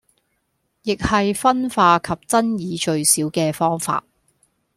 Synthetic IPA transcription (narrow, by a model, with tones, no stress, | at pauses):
jɪ˨k̚hɐ˨jfɐ˥nfaː˧kʰɐ˨p̚t͡sɐ˥njiː˨˧t͡ʃɵ˧ɥsiː˨˥wkɛː˧fɔː˥ŋfa̰ː˧t̚